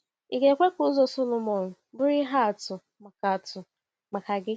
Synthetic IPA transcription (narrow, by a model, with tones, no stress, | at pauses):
i˨ɡe˨kʷe˦kʊ˦zo˨so˦lʊ˨mɔ˨nʊ˨bʊ˦ɾɪ˦ɦa˦a˨tʊ˨ | ma˨ka˨tʊ˨ | ma˨ka˨ɡɪ˦